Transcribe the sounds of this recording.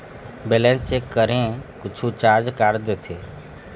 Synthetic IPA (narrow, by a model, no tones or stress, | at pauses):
beːlɛ̃nsekəɾẽkʊt͡ʃʰut͡ʃaːɾd͡ʒkaːɾd̪eːt̪ʰeː